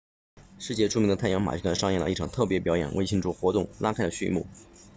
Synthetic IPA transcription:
ʂɻ̩˥˧t͡ɕjɛ˥˧ʈ͡ʂʰu˥˧mi˧˥ŋd̪ə˧t̪ʰnjɑ˧˥ŋma̰˨˩˥ka˥nʂɑ˥˧ŋjɛ˥˩nlə̰˧i˥˩ʈ͡ʂʰɑ˨˩ŋt̪ʰɤ˥˩p̬jp̬jɑ˧˥ʊjɛ̰˨˩nwḛ˥˧ɪi˥˧ŋʈ͡ʂʰu˥˩xwɔ˧˥t̪ʊ˥˩ŋla˥kʰa˥ɪlə˩ɕy˥˧mṵ˥˩

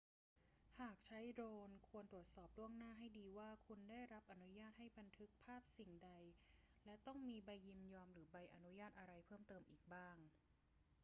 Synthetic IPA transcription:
haː˨˩k̚t͡ɕʰa˦˥jdɾoː˧nkʰu˧ənt̪ɾu˨˩ət̪̚sɔː˨˩p̚lu˥˩əŋnaː˥˩ɦa˥˩jdiː˧waː˥˩kʰu˧ndaː˥˩jɾa˦˥p̚ʔa˧nu˦˥jaː˥˩t̪̚ha˥˩jba˧nt̪ʰɯ˦˥k̚pʰaː˥˩p̚si˨˩ŋda˧j | lɛ˦˥t̪ɔ˥˩ŋmiː˧ba˧jːi˧mjɔː˧mɾɯː˩˦ba˧jʔa˧nu˦˥jaː˥˩t̪̚ʔa˧ɾa˧jpʰɤː˥˩mt̪ɤː˧mʔiː˨˩k̚baː˥˩ŋ

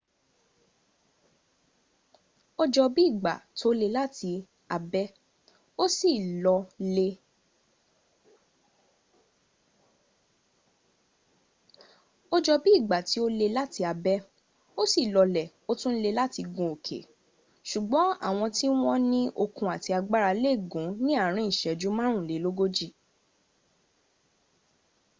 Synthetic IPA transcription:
o˧d͡ʒɔ˧bi˦˨ɡ͡ba̰˨to˦le˧la˦ti˧ | a˧bɛ˦ | o˦si˦˨lɔ˧le˧ | o˦d͡ʒɔ˧bi˦i˦˨ɡ͡ba˨ti˨˦o˦le˧la˦ti˧a˧bɛ˦ | o˦si˦˨lɔ˧lɛ˨ | o˦tũ˦n̩˦le˧la˦ti˧ɡũ˧˨o˨kʰḛ˨˦ | ʃu˨ɡ͡bɔ̃˨˦a̰˦˨w̃ɔ̃˧ti˦w̃ɔ̃˦nĩ˦ʔo˧kũ˧a˨ti˧a˧ɡ͡ba˦ɾa˧le˦˨ɡũ˨˦nĩ˦a˦˨ɾ̃ĩ˦˨i˦˨ʃɛ˨d͡ʒu˨˦mã˦ɾ̃ũ˦˨le˨˦lo˦ɡo˦d͡ʒi˦˨

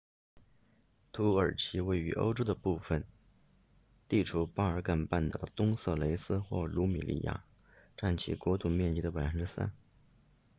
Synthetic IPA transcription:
t̪ʰu˧˥ə˞˨˩t͡ɕʰi˧˥we˥˩ɪy̰˧˥ʔo̰˥ʊʈ͡ʂo˥ʊd̪ə˨pu˥˩fə˩n | t̪i˥˩ʈ͡ʂʰu˧˥pa˥ə˞˧˥ka˥˩npa˥˩nt̪ɑ˨˩ʊd̪ə˩t̪ʊ˥ŋsɤ˥˩le˧˥ɪsɹ̩˥xwɔ˥˩lu˧˥mḭ˨˩lḭ˥˩ja̰˥˩ | ʈ͡ʂa˥˩nt͡ɕʰḭ˧˥˩kwɔ˧˥t̪u˥˨˩mjɛ˥˧nt͡ɕi˥d̪ə˧pa˨˩ɪfə˥nʈ͡ʂɻ̩˥sa̰˥n

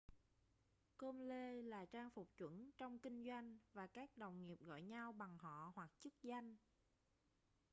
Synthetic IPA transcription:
ko˧mle˧laː˨˩t͡ɕaː˧ŋfʊ˨˩k͡p̚t͡ɕwə̰˧˥nt͡ɕɔ˧wŋ͡mkï˧ŋ̟zwa˧jŋ̟vaː˨˩kaː˦˥k̚ɗə̰˧˨wŋ͡mŋi˨˩əp̚ɣɔ̰˧˨jɲa˧wɓa˨˩ŋɦɔ̰˧˨hwa˨˩k̚t͡ɕɨ˦˥k̚za˧jŋ̟

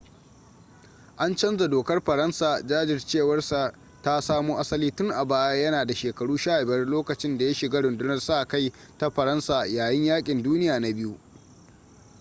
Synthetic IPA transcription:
ʔa˦nt͡ʃɐ˦nza˨doː˨kɐ˦rɸɐ˨ɾɐ˦nsaː˨d͡ʒaː˦d͡ʒɪ˨rt͡ʃeː˦˨wɐ˦rsa˨ | ta˦saː˦muː˦ʔa˦sɐ˦liː˦tʊ˦ŋʔa˨baː˦ja˦jɐ˦naː˨da˨ʃeː˨kɐ˨ɽuː˦ʃaː˦˨bɐ˦rloː˦kɐ˨t͡ʃɪ˦nda˨ja˦ʃɪ˨ɡaː˦ɽʊ˨ndʊ˦nɐ˨rsa˦ʔka˦j | ta˦ɸɐ˨ɾɐ˦nsaː˨jaː˨jɪ˦ɲjaː˦kʲʼɪ˨nduː˦nɪ˦jaː˨na˦bɪ˦ju˦ʔ

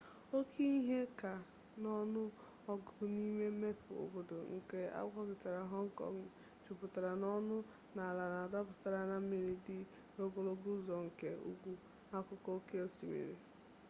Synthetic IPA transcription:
o˦kʰi˦i˦ɦe˦ka˨ | nɔ˦nʊ˦ | ɔ˦ɡʊ˨ʊ˨˦ni˦me˦me˦pʊ˨o̰˨bo˨do˨ŋ̩˨ke˦a̰˦ɡʷɔ˦ɡɪ˨ta˨ɾa˨ɦɔ˦ŋ̩˦kɔ̰˨ŋ˦˨ | t͡ʃu˨pʊ˨ta˨ɾa˨nɔ˦nʊ˦ | na˨a˨la˨na˨da˦pʊ̥˨ta˨ɾa˨na˨m̩˦me˨ɾi˨dɪ˦ | ɾo˦ɡo˨lo˦ɡʊ˦zɔ˨ŋ̩˨ke˨ṵ˦ɡʷu˦ | a˦kʊ˦kɔ˦ke˦o˦si˨mḛ˨ɾḭ˨

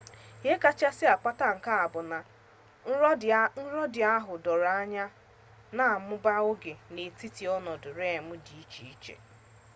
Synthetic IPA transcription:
je˦ka˦t͡ʃa˦sɪ˦a˨k͡pa˦ta˦ŋ̩˨ka˦a˨bʊ˨na˨˦ | n̩˦ɾɔ˦dɪ˨a˦ɦʊ˨dɔ˨ɾa˦a˦ɲa˦ | na˦˨mʊ˦ba˦ʊ˦ɡe˨ne˨ti˦ti˨ɔ˦nɔ˨dʊ˨ɾe˦˨mʊ˦di˨i˦t͡ʃi˨i˦t͡ʃḛ˨

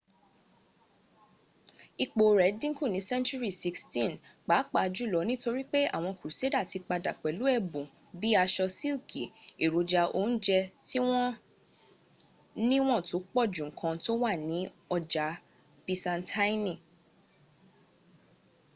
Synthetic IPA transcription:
i˧k͡po˨ɾɛ˨˦dĩ˦ku˦˨nĩ˨˦sɛ̃˦nt͡ʃu˦ɾi˦˨si˦kstĩ˦˨nk͡pa˨˦k͡pa˦˨˧d͡ʒu˦˨lɔ˨˦nĩ˦to˧ɾi˦k͡pe˦a̰˦˨w̃ɔ̃˧ku˨u˨se˨˦da˦˨ti˨˧k͡pa˧da˨k͡pɛ˨lu˨˦ɛ˦˨bũ˨ | bi˦a˧ʃɔ˧si˦lki˨e˨ɾo˨d͡ʒa˧ʔo˧˦n̩˦d͡ʒɛ˧ti˦w̃ɔ̃˦ | nĩ˦w̃ɔ̃˦˨to˨˦k͡pɔ˦˨d͡ʒũ˨ŋ̩˨kʰã˧to˦wa˦˨nĩ˨˦ | ɔ˧d͡ʒa˨˦ | pĩ˧sã˧ntʰa˦i˦nĩ˦˨

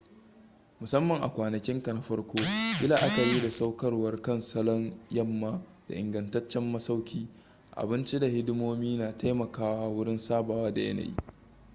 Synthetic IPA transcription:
mʊ˨sɐ˦mːɐ˨ŋʔa̰˨kʷaː˨nɐ˨kʲɪ˦ŋka˨na˦ɸɐ˦ɽkʷoː˦ʔɪ˦laː˨ʔa˦kɐ˨ɾiː˦da˨sa˦wkɐ˦rwɐ˦rkɐ˦nsɐ˦lɔ˦njɐ˦mːaː˦d̥a̰˨ʔɪ˨ŋɡɐ˨ntɐ˦t͡ʃːɛ˦mːɐ˦sa˦wkʲʰiː˦ | ʔa̰˨bɪ˦nt͡ʃi˦da˨hɪ˦dɪ˦moː˦miː˦naː˨ta˦jmɐ˨kaː˦waː˦wʊ˦ɽɪ˦nsaː˦baː˨waː˦da˨jɐ̰˦na̰˨jḭː˦

